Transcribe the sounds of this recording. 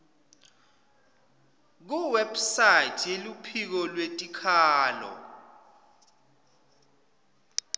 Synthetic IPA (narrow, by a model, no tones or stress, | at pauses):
k̬uwɛbsajitʰelupʰik̬ɔlwetʼikʰaːlɔ̰